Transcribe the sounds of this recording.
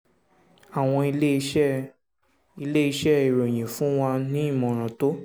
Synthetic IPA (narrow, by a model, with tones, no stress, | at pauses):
a˨w̃ɔ̃˧i˧le˦i˧ʃɛ˦ | i˧le˦i˧ʃɛ˦i˨ɾo˨j̃ĩ˨fũ˨˦w̃a˧nĩ˨˦i˦˨mɔ̃˨ɾ̃ã˨to˦